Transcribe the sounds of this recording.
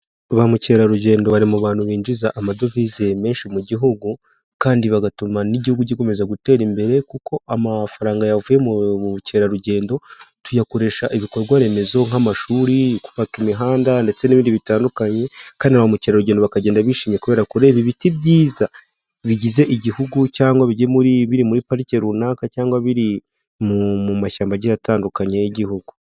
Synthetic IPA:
βamuce̞ːɾaɾuɟe̞ːndo̞βaɾimuβaːn̥huβiːɲd͡ʒizaʔamado̞vizeme̞ːnʃimuɟiɦuɡu | kaːndiβaɡatumaniɟihuɡuɟiko̞me̞zaɡute̞ːɾimbe̞ɾe̞kuko̞ʔamafaɾaːŋɡajavujemuce̞ːɾaɾuɟe̞ːndo̞tujako̞ɾe̞ːʃaʔiβiko̞ɾɡwaɾe̞me̞zo̞ŋ̥amaʃuːɾiku̥βakimiɦaːndande̞t͡se̞niβiːndiβitaːndukaɲekaːndiaamuce̞ːɾaɾuɟeːndoakaɟeːndaβiʃiːmɲekuβe̞ːɾakuɾe̞ːβiβitibɟiːza | βiɟize̞ʔiɟihuɡucaːŋɡwaβiɟemuɾiβiɾimuɾipaɾice̞ɾunaːkacaːŋɡwaβiɾi | mumumaʃaːmbaɟijataːndukaɲejiɟihuɡu

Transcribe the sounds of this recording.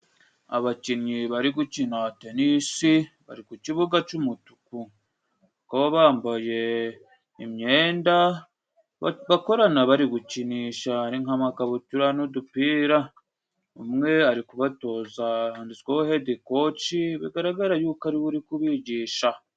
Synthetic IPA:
a̰βaciɲɲiβaɾiɡucinate̞nisi | βa̰ɾikuciβuɡat͡ʃumutu̥ku | akaβaβaːmbaje̞ | imɲe̞ːnda | βako̞ɾanaβaɾiɡuciniːʃaɾiŋhamakaβutuɾanodupiːɾa | umŋe̞aɾikuβato̞ːzaaːndit͡swahohediko̞t͡ʃiβiɡaɾaɡaɾajuːkaɾiβuɾikuβiɟiːʃa

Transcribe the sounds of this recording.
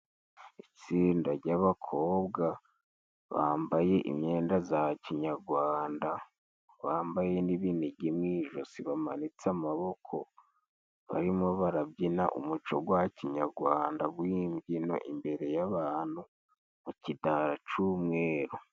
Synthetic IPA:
it͡siːndaɾɟaβakʰo̞ːbɡa | βa̰ːmbaje̞ʔḭmɲe̞ːndazaciɲaɾɡwaːnda | βaːmbaje̞niβiniɟimŋiːʒosiβamanit͡samaβo̞kʰo̞̰ | βa̰ɾimo̞βaɾabɟina̰ʔṵmut͡ʃo̞̰ɡwaciɲaɾɡwaːndaβwiːmɟino̞̰ʔimbe̞ɾe̞jaβaːn̥hu | mucidaɾat͡ʃumŋe̞ːɾo

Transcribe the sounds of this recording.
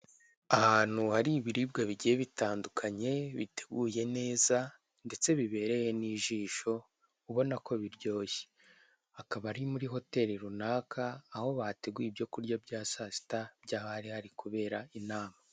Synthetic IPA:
ahaːn̥huhaɾiːβiɾib̚ɡaβiɟijeβitaːndukʰaɲe̞βite̞̥ɡuːje̞ne̞ːza | nde̞t͡se̞βiβe̞ːɾe̞je̞niʒiːʃo̞ | uβo̞nako̞βiɾɟo̞ːje̥ | akaβaɾimuɾiɦo̞te̞ɾiɾunaːkʰaːho̞βate̞ɡuibjo̞kuɾɟobɟaːsasi̥tabɟaːhaɾihaɾikuβe̞ːɾainaːma

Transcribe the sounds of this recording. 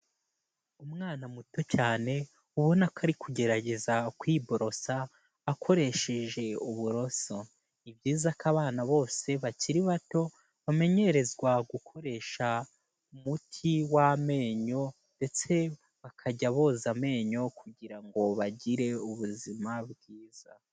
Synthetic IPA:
umŋaːnamuto̞caːne̞ | uβonakʰaɾikʰuɟe̞ɾaɟe̞zakwiːbo̞ɾo̞saː | kʰo̞ɾe̞ʃe̞ʒe̞uβuɾo̞so̞ | ibɟiːzakaβaːnaβo̞ːse̞βaciɾiβato̞ | βame̞ɲe̞ɾe̞zɡwaɡukʰo̞ɾe̞ːʃa | umutʰiwame̞ːɲo̞ | nde̞t͡se̞ | βakʰaɟaβo̞ːzame̞ːɲo̞kʰuɟiɾaŋɡo̞βaɟiɾe̞uβuzimabɡiːz̥a

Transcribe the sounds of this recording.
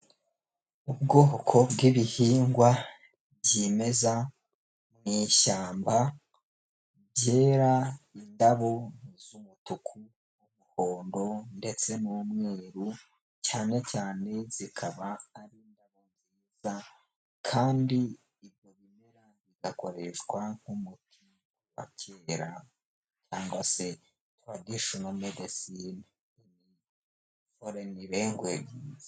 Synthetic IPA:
ubɡo̞ːhokʰo̞bɡiβihiːŋɡwa | bɟime̞za | mŋiːʃaːmba | bje̞ːɾaindaβo̞nizumutukʰu | umuho̞ːndo̞nde̞t͡se̞numŋe̞ːɾu | caːne̞caːne̞z̥ikʰaβaːɾindaβonziːz̥a | kʰaːndiː | βjo̞βime̞ɾa | βiɡako̞̰ɾe̞ʃɡwaŋ̥humutʰi | wa̰cʰeːɾa | caːŋɡwase̞ | twaɡiʃunomedesin | emi | foɾeniβe̞ːŋɡweɡiːz

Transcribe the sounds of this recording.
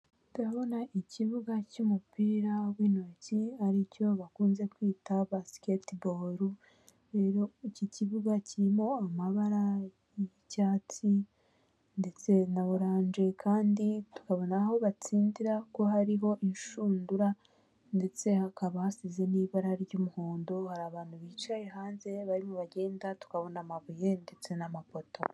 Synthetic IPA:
tuɾaβo̞naʔiciβuɡacumupiːɾawiːnociaɾico̞βakuːnze̞kwiːtaβasketboɾu | ɾeɾo̞iciciβuɡaciɾimo̞amaβaɾa | jicaːt͡si | nde̞t͡se̞naβuɾaːnd͡ʒe̞kʰaːnditu̥kaβo̞naho̞βat͡siːndiɾako̞haɾiɦo̞ʔinʃuːnduɾa | nde̞t͡se̞hakaβahasize̞niːβaɾaɾɟomuhoːndohaɾaːβaːn̥huβiːt͡ʃaje̞ɦaːnze̞βaɾimuβaɟe̞ːndatu̥kaβo̞namaβuje̞nde̞t͡se̞namapo̞to̞

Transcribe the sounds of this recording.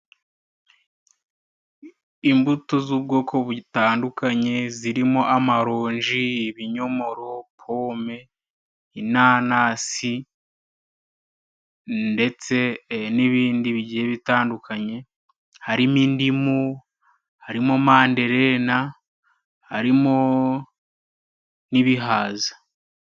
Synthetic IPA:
imbutozub̚ɡo̞ːkʰo̞βutaːndukaɲe̞ziɾimo̞ʔamaɾoːɲʒiːβiɲo̞mo̞ɾo̞pʰo̞ːme̞ | inaːnasi | nde̞t͡se̞niβiːndiβiɟieβitaːndukaɲe̞ | haɾimindimu | haɾimomaːnde̞ɾe̞ːna | haɾimo | niβiɦaːzḁ

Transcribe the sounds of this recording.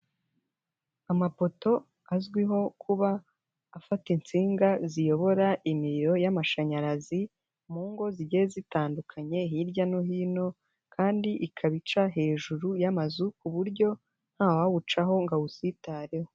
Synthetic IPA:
amapo̞to̞ | azɡwiɦo̞kʰuβaː | fatint͡siːŋɡazijo̞βo̞ɾaʔimiɾiɾo̞jamaʃaɲaɾazi | muːŋɡo̞ziɟeezitaːndukʰaɲe̞ɦiɾɟanoɦiːno̞ | kʰaːndiʔikʰaβit͡ʃaɦe̞ːʒuɾujamazukuβuɾɟo̞ | n̥haːwaβut͡ʃaɦo̞ŋɡaβusitaːɾeho

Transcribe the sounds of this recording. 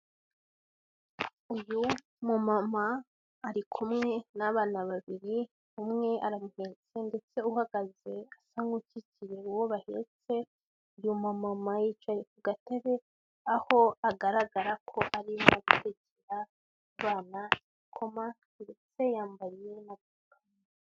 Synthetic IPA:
uju | mumamaː | ɾikʰumŋe̞naβaːnaβaβiɾi | umŋe̞aɾamuheːt͡se̞nde̞t͡se̞uhaɡaze̞asaŋɡucicijeuwoβahḛt͡se̞ | ujumamamajit͡ʃajekuɡateβe | aho̞aɡaɾaɡaɾakʰo̞ʔaɾimoaɡuteceɾa | uβaːna | ikʰo̞ma | det͡se̞jaːmbaje̞naɡukʰam | a

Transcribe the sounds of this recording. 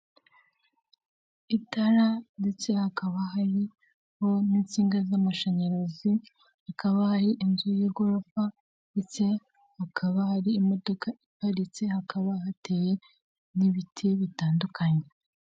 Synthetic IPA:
itaɾande̞t͡se̞hakaβaɦaɾi | ho̞niːnt͡siːŋɡazamaʃaɲaɾozi | hakaβahaɾiʔinzujeɡoɾofa | nde̞t͡se̞ | hakʰaβahaɾiːmo̞do̞kaipaɾit͡se̞hakaβahate̞ːje̞ | niβitʰiβitaːndukʰaɲe

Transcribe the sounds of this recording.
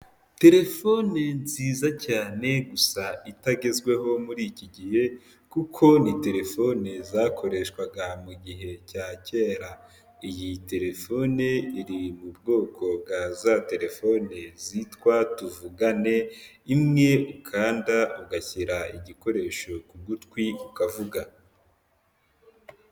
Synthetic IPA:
te̞ɾe̞fo̞nenziːzacaːne̞ɡusaitaɡe̞zɡwe̞ɦo̞muɾiːciɟihe̞ | kukʰo̞nite̞ɾe̞fo̞ne̞zaːkʰo̞ɾe̞ːʃkwaɡamuɡiɦe̞caːce̞ːɾa | ijite̞ɾe̞fo̞neiɾimubɡo̞ːkʰo̞b̚ɡazate̞ɾe̞fo̞ne̞zitkwatuvuɡane̞ | imŋe̞ukʰaːndauɡaçiɾaiɟiko̞ɾe̞ːʃo̞kuɡutkwiukavuɡa

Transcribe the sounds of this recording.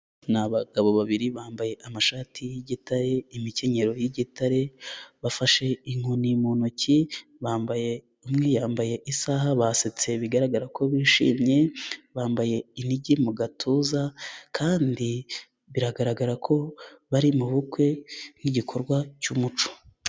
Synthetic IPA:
naβaɡaβo̞βaβiɾiβaːmbaje̞ʔamaʃaːtʰijiɟitaɾe̞imice̞ɲe̞ɾo̞jiɟitaɾe̞βafaʃe̞iŋ̥onimonuciβaːmbaje̞ | umŋejaːmbaje̞ʔisaɦaβaset͡se̞βiɡaɾaɡaɾakʰo̞βiʃḭːmɲe̞βaːmbaje̞iniɟimuɡatʰuːzakʰaːndi | βiɾaɡaɾaɡaɾakʰo̞βaɾimuβukwe̞niɟikʰo̞ɾɡwacumut͡ʃo̥

